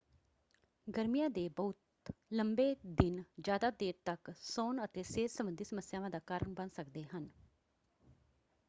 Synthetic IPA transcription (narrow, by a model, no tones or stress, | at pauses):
ɡəɾmijãːd̪eːbəʊt̪ | ləmbeːd̪ɪnd͡ʒjaːd̪aːd̪eːɾt̪əksoːnət̪eːseːsəmbənd̪iːsəməsjaːʋãːd̪aːkaːɾəɳbənsəkd̪eːɦən